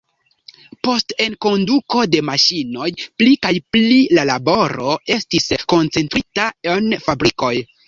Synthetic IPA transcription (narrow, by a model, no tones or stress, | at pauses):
po̞ste̞nko̞nduko̞de̞maʃino̞jplikajplilalabo̞ɾo̞e̞stisko̞nt͡se̞ntɾitaenfabɾiko̞j